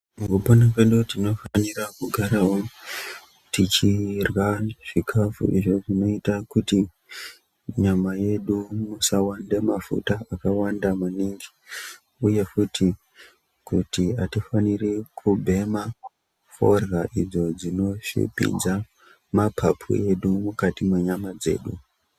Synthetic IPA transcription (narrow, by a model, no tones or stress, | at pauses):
muɡuponapeɗutino̞fanirakuɡʱaɾaɦo | tit͡ʃirwaʐ̥ikʰafṵʔiʐo̞ʐino̞itakuti | ɲamaje̞ɗumusawande̞mafṵtaakawandamaniŋɡi | uje̞futʰi | kutiatifanirikʰubʱe̞ma | fo̞̰rɣaʔid͡zo̞d͡zino̞ʂḭpḭnd͡za | mapʰapʰṵe̞ɗumukatimwe̞ɲamad͡ze̞̰ːɗu